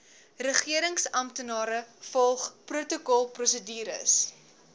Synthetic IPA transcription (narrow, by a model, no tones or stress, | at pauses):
rəχiəɾəŋsɐmtənɑːɾəfɔlˠχprutokɔlˠprɔsədiːɾə̰s